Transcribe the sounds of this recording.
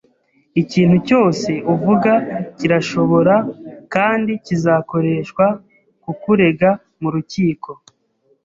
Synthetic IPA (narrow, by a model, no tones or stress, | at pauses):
iciːn̥huco̞ːse̞uvuɡaciɾaʃo̞βo̞ɾakaːndicizako̞ɾe̞ʃkwa | kukuɾe̞ɡa | muɾuciːko̞